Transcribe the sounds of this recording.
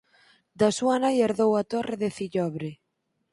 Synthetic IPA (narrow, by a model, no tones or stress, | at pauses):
d̪asuanajeɾðowat̪oreðeθiʎɔβɾe